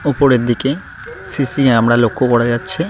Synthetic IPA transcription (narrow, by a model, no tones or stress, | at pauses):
upoɾeɾd̪ike | sisiaamɽalokʰːokɔɾad͡ʑatːɕʰi